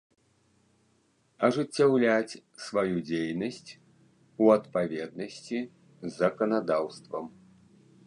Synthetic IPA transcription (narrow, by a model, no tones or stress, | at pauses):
ɐʐɨt͡sʲːawlʲat͡sʲsvajud͡zʲejnɐsʲt͡sʲ | uɐt̪pavʲɛd̪̚nɐsʲt͡sʲi | zːɐkɐnad̪awst̪vɐm